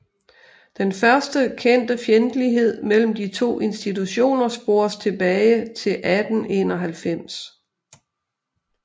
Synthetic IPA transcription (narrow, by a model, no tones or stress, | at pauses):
d̥enfɶɐsd̥əkʰen̰d̥əfjend̥əliɦe̝ð̞̰ˠmel̰m̩d̥it͡sʰo̝̰ːʔe̝nsd̥it͡sʰuɕo̝̰ːnɐsb̥o̝ːɐst͡sʰe̝b̥ɛːɪt͡sʰe̝lʔæd̥n̩e̝ːnɒɦælfem̰s